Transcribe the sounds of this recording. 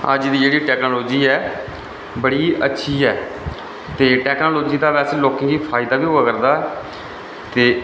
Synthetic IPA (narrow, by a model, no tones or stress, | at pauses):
ə̰d͡ʒd̪iːd͡ʒeːɽiːʈɛːknoːloːd͡ʒiːɛː | bəɽiːətːʃʰiːɛː | t̪eːʈɛːknoːloːd͡ʒiːd̪aːʋɛːseːloːkɪ̃ŋɡiːpʰaːɪd̪aːʋiːɦoːaːkəɾd̪aːɛ | t̪eː